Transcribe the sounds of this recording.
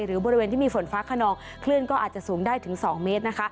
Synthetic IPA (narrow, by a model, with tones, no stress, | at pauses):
jɾɯː˩˦bɔ˧ɾi˧weː˧nt̪ʰiː˥˩miː˧fo˩˦nfaː˦˥kʰa˧nɔː˧ŋ | kʰlɯ˥˩ənkɔː˥˩ʔaː˨˩t̪̚t͡ɕa˨˩ʔsuː˩˦ŋdaː˥˩jt̪ʰɯ˩˦ŋsɔː˩˦ŋmeː˦˥t̪̚na˦˥kʰa˦˥